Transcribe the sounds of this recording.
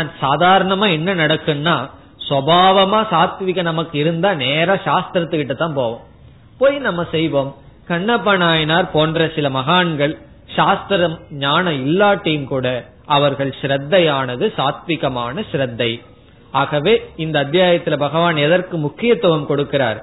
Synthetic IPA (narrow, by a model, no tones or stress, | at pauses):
naːnsaːðaːɾɐɳɐmaːɛnːɐnɐɽɐkːɯnːaː | sʋɐbʱaːʋɐmaːsaːt̪ʋɪɣɐnɐmɐkːɯɪɾɯnd̪aːneːɾaːʃaːst̪ɾɐt̪ːɯkːɪʈːɯt̪ːãːnpoːʋõːm | poːjnɐmːɐsɛjʋoːmkɐɳːɐpːɐɳaːjɐnaːɾpoːndrɐsɪlɐmɐɣaːɳɡɐɭ | ʃaːst̪ɾɐmɲaːnɐɪlːaːʈːɐjɯmkuːɽɐ | ɐʋɐɾɣɐɭʃɪɾɐd̪ːɐjaːnɐðɯsaːt̪ʋɪɣɐmaːnɐʃɾɐd̪ːɐɪ | aːɣɐʋeːɪnd̪ɐːd̪jaːjɐt̪ːɪlɐbɐɣɐʋaːnɛðɐrkɯmʊkːɪjɐt̪ːɐʋɐmkɔɽɯkːɪɾa̰ːɾ